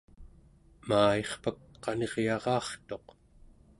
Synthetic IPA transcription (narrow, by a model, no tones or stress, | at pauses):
maːeχpak̚qɑne̞ʁjɑʁɑːχt̪o̞q